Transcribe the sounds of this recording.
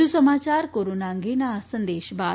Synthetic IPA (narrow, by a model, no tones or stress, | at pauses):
usəmaːt͡ɕaɾkoɾonaŋɡenasənd̪eːɕbaː